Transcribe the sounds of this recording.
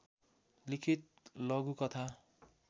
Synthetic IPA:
likʰit̪̚lʌɡukʌt̪ʰa

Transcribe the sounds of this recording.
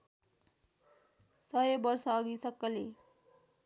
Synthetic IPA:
sʌjobʌrsʌːɡisʌkːʌle

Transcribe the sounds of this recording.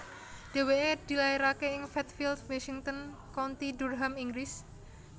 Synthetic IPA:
d̥e̤weed̪̥i̤lajiɾakeɪŋfɛt̪̚fild̪wasiŋt̪ən | kɔnt̪id̪urɦamiŋɡɾis

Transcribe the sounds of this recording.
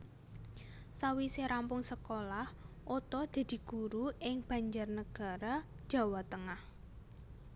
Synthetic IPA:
sawiseɾampʊŋsəkolah | ʔot̪ɔd̪̥a̤d̪̥i̤ɡ̥uɾuɪŋb̥ä̤ɲd͡ʒarnəɡ̥a̤ɾḁ | ʒ̥ä̤wat̪əŋah

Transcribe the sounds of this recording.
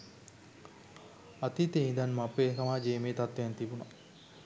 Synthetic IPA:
at̪it̪eind̪anmapekɐmaːd͡ʒeːmeːt̪at̪ʋejant̪ibuna

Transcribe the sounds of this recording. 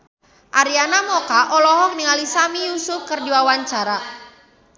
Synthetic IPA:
ʔaɾianamɔkaʔɔlɔɦɔŋniŋalisamijusufkərdiwawaɲt͡ʃaɾa

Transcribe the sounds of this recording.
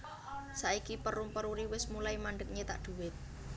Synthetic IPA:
saʔikipəɾumpəɾuɾiwɪsmulaimaɳɖək̚ɲet̪a̰ʔd̪̥ṳwɪt̪̚

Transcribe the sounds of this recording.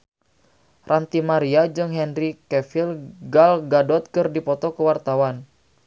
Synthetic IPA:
rʔant̪imaɾiad͡ʒəŋɦɛnrikɛfilɡalɡadɔt̪̚kɨrdipɔt̪ɔkəwart̪awan

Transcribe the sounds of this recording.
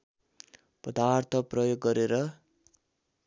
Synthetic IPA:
pʌd̪art̪ʰʌprʌjoɡːʌɾeɾʌ

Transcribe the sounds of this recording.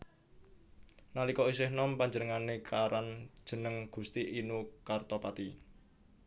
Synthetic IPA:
nalikɔisɪhnɔmpaɲd͡ʒənəŋanekʰaɾand̥ʒ̥ə̤nəŋɡ̥ṳst̪iʔinukart̪ɔpat̪i

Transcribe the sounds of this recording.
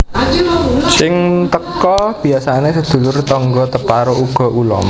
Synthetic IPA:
sɪŋt̪əkɔb̥i̤asanesəd̪̥ṳlʊrt̪ɔŋɡɔt̪əpaɾouɡ̥ɔ̤ʔulɔ̰m

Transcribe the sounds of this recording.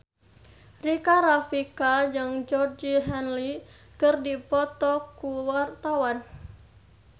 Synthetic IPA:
rikaɾafikad͡ʒɨŋd͡ʒɔrd͡ʒiɦɛnli | kɨrdipɔt̪ɔkuwart̪awan

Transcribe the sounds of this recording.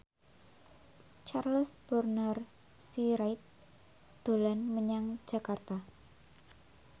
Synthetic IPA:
t͡ʃarləsb̥ərnər | siɾajt̪̚ | d̪̥o̤lanməɲaŋ̥d͡ʒ̥a̤kart̪a

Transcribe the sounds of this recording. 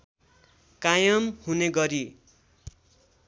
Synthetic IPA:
kajʌmhuneɡʌɾi

